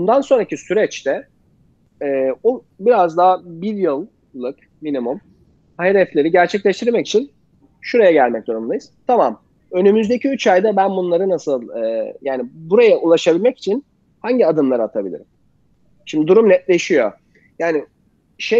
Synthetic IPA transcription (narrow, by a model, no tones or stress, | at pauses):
bund̪anso̞nɾacʰisyɾɛt͡ʃt̪ɛ | ɛːu | biɾazd̪aɦːbiɾjɯlˠː | ɯk | minimum | haɦed̪ɛflʲe̞ɾiɟæɾt͡ʃʰɛclʲɛʃt̪ʰiɾmɛci̥t͡ʃʰin | ʃuɾajaɟælʲmɛc̚d̪uɾumlˠajɯz̥t̪ʰamam | ø̞nymyzd̪e̞cʰiyt͡ʃʰajd̪abænbunlˠaɾɯnasɯlˠɯːjaːnibuɾajaʔulˠaʃabilʲmɛci̥t͡ʃʰin | haɲɟiad̪ɯmlˠaɾɯat̪ʰabilʲḭɾḭm | ʃimd̪id̪uɾumnɛt̪̚lʲe̞ʃijo̰ | jaːni | ʃe